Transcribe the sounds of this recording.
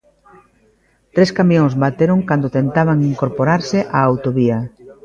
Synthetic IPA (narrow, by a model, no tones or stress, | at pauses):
t̪ɾeskamjõŋzβat̪eɾoŋkand̪ot̪ent̪aβ̞aŋiŋkoɾpoɾaɾsɪʔaːwt̪oβiɐ